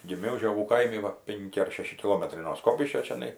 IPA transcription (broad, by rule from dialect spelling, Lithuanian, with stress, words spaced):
ɡʲɪˈmʲɛʊ ʒʲoːˈɡuː ˈkɐɪmʲɪ ˈʋɐ ˈpʲɛŋʲkʲɪ ɐr ˈʃʲæːʃʲɪ kʲɪˈlˠoːmʲɛtrɐɪ noː ˈskoːpʲɪʃʲkʲoː t͡ʃʲɛˈnɐɪ